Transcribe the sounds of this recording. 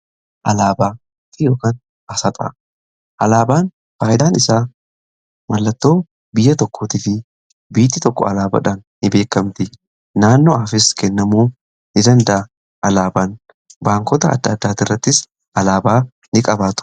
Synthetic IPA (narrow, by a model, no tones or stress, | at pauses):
ʔɐlaːbaː | t̪ɪjo̞ːkaːn | ɐsɐt̪ʼɐ̰ | ʔɐ̰laːbaːn | faːʔɪd̪aːnɪsaː | mɐlːɐt̪ːo̞ː | bɪjːɐt̪ɔkːoːt̪ɪfɪ | biːt̪ːɪt̪ɔkːɔɐlaːbɐ̰ᶑaːnːɪbe̞ːkːɐmt̪ɪ | naːnːoɐfɪskɛnːɐmuː | nɪd̪ɐnd̪ɐʔɐ | ʔɐlaːbaːn | baːŋkɔt̪ɐɐ̰d̪ːaːd̪ːaːt̪ɪrːɐt̪ːɪs | ʔɐlaːbaː | nɪkʼɐbaːt̪ʊ̥